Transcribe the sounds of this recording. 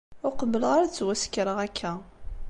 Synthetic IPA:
ʊɾqəbːəlʁaɾt͡sːwæskːɾəʁækʰːæ

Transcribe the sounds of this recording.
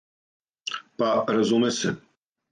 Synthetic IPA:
paɾɐzumɛsɛ

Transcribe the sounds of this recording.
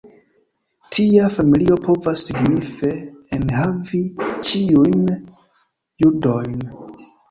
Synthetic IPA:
tʰiafamilio̞pʰo̞vasːiɡnife̞ːnɦavit͡ʃiujn | judo̞jn

